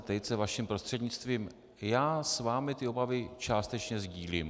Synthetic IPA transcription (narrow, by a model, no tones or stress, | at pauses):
t̪ɛjt͡sɛvaʃimpɾo̞st̪r̥ɛd̪ɲɪt͡st̪viːm | jaːsvaːmɪt̪ɪo̞bavɪt͡ʃaːst̪ɛt͡ʃɲɛzɟiːlim